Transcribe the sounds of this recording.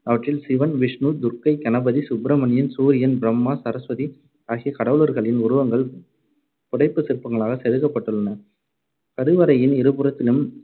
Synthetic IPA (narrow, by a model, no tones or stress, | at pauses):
ɐʋɐʈrɪlsɪʋɐnʋɪʂnuːd̪ʊɾkɐɪkɐnɐbɐðisʊbɾɐmɐnɪjɐnsuːɾɪjɐnbɪɾɐmːaːsɐɾɐsʋɐði | aːɣikɐɽɐʋɯɭɐɾɣɐɭɪnʊɾʊʋɐŋɡɐɭ | pʊɽɐɪpːɯsɪɾpːɐŋɡɐɭaːɣɐsɛɾɯɣɐpːɐʈːɯɭːɐnɐ | kɐɾɯʋɐɾɐjɪnɪɾɯbɯɾɐt̪ːɪlɯm